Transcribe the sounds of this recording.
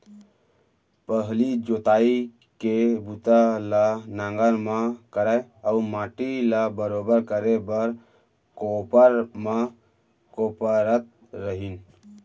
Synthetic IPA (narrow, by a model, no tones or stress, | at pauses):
pəɦlid͡ʒot̪aːi | kebut̪alanãŋɡəɾmakəɾaeəumãːʈilabəɾobəɾkəɾebəɾ | kopəɾma | kopəɾət̪̚ | ɾəɦin